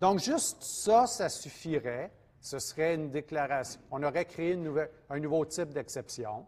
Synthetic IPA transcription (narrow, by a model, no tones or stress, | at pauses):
d̪ɔ̃kʒʏst̪sʌsasyfiʁɛ | səsʁɛynd̪eklaʁasjɔ̃ɔ̃nɔʁɛkʁeeynːuvɛlɛ̃nuvot̪ɪp̚d̪ɛksɛpsjɔ̃